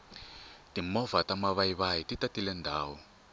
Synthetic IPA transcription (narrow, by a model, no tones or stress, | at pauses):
timɔvatamaβaiβajititatilɛndʱaːwɔ